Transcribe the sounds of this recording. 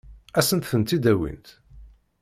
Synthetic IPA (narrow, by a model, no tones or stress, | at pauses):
æsənt̪θənt̪id̪æwḭnt̪